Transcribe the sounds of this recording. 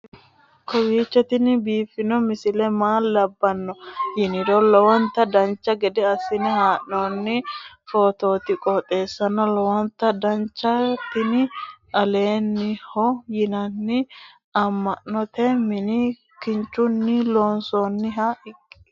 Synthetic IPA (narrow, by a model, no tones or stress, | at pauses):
kɔwiːt͡ʃːɛt̪ɪnɪbiːfːɪnɔmɪsɪlɛmaːlːɐbːɐnːɔjɪnɪd̪ɔlɔwɔnt̪ːɐd̪ɐnt͡ʃːɐɡɛd̪ɛɐsːɪnɛɦaːʔoːnːɪfoːt̪o̞ːt̪ɪkʼɔt̪ʼe̞ːsːɐnːɔlɔwɔnt̪ːɐd̪ɐnt͡ʃːɐt̪ɪnɪɐle̞ːnːɪhɔjɪnɐnːɪ | ɐmːɐʔɔt̪ɛmɪnɪ | kɪnt͡ʃːʊnːɪloːnsoːnːɪɦɐɪkʼː